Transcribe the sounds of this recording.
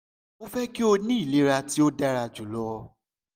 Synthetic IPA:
o˦fɛ˦ki˦o˧nĩ˦i˦˨le˨˦ɾa˧ti˦o˦da˦ɾa˧d͡ʒu˨lɔ˦˧

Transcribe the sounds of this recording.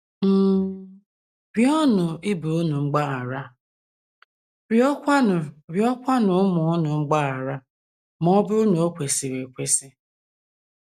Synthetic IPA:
m̩˦ | ɾjɔ˦nʊ˨ɪ˦bu˨ʊ˦nu˨ŋ͡m̩˦ɡ͡ba˦a˨ɾa˦ | ɾɔ˦kʷa˦˨ɾjɔ˦kʷa˦nʊ˨˦mʊ˨ʊ˦nʊ˨ŋ͡m̩˦ɡ͡ba˦a˨ɾa˦ | mɔ˦bʊ˦ʊ˦no˨o˦kʷe˨si˨ɾe˨kʷe˦sɪ˦

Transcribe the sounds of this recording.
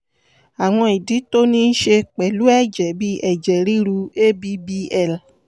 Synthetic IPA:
a˨w̃ɔ̃˧i˨di˨˦to˦nĩ˦ʃe˧k͡pɛ˨lu˨˦ɛ˦˨d͡ʒɛ˨bi˦ʔɛ˦˨d͡ʒɛ˨ɾi˦ɾu˧˦e˦bi˧˦bi˧ɛ˦˨l

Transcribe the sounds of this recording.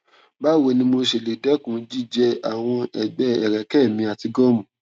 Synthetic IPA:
ba˦˨we˧nĩ˧mo˧ʃe˨le˨dɛ˨˦kũ˨˦d͡ʒi˦˨d͡ʒɛ˧a˨w̃ɔ̃˧ɛ˨ɡ͡bɛ˧˦ɛ˨ɾɛ˨kɛ˦˨mĩ˧a˨ti˧ɡɔ˦mũ˨

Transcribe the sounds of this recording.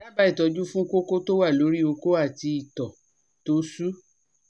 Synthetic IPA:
ɾa˦ba˦i˦˨tɔ˨˧d͡ʒu˦fũ˦ko˦ko˦to˦wa˦˨lo˨˦ɾi˦o˧ko˦a˦˨ti˧i˨tɔ˨ | to˨˦su˦

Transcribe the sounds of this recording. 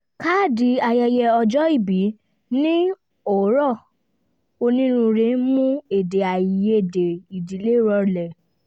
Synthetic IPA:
ka˦˨di˨˦a˧jɛ˧jɛ˧ɔ˧d͡ʒɔ˦i˦˨bi˨˦ | nĩ˦ | o˨˦ɾɔ˦˨ | o˧nĩ˦ɾũ˧ɾe˧˦mũ˦e˨de˨a˨ji˨je˦˨de˨i˨di˨˦le˨˦˨ɾɔ˧lɛ˨

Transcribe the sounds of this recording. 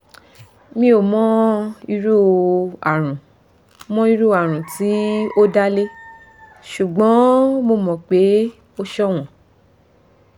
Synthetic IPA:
mĩ˧˦o˨mɔ̃˦i˧ɾu˦a˨ɾ̃ũ˨ | mɔ̃˦i˦˧ɾu˦˨a˨ɾ̃ũ˨ti˨˦o˦da˦le˦ | ʃu˨ɡ͡bɔ̃˨˦mo˧˨mɔ̃˨k͡pe˨˦ | o˦ʃɔ˦w̃ɔ̃˨

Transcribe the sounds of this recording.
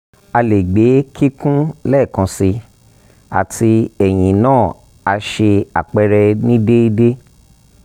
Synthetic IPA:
a˧le˨ɡ͡be˨˦ki˦kũ˦lɛ˦˨kã˧si˧ | a̰˨tʰi˧ɛ˨j̃ĩ˨nãː˦˨ | a˧ʃe˧a̰˨k͡pɛ˧ɾɛ˧nĩ˦de˦i˦de˦

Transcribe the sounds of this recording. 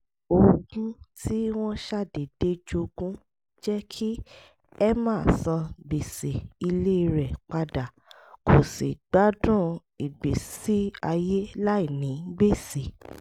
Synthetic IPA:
o˧ɡũ˦tʰi˦w̃ɔ̃˦ʃa˦˨de˨d̥e˦d͡ʒo˧ɡũ˦ | d͡ʒɛ˦kʰi˦ | ɛ˦mãː˦˨sã˧be˨se˨i˧le˦i˧ɾɛ˨k͡pa˧da˨ | kʰo˨sḭ˨ɡ͡ba˦dũ˦ | i˨bi˨si˦a˧je˦la˦i˦˨nĩ˨˦ɡ͡be˦˨se˨

